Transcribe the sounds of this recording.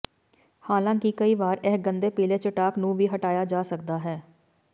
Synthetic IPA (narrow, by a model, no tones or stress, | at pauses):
haːlãːkikəiːʋaːɾɛɦɡənd̪eːpiːleːt͡ʃəʈaːknũːʋiːɦəʈaːjaːd͡ʒaːsəkd̪aːɦɛː